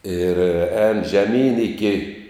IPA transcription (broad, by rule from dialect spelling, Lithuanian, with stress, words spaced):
ɪr ɛːn ʒʲɛˈmʲiːn ɪˈkʲɪ